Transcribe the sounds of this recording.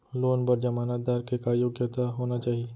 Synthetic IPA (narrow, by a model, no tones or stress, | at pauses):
loːnbəɾd͡ʒɐmaːnaːd̪aːɾkekajoːɡjət̪aɦoːnat͡ʃaːɦie